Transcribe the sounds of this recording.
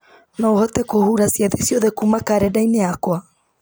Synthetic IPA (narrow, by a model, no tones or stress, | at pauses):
naohɔtɛkohuɾasiaðesijɔðɛkuːmakaɾɛdaineakwa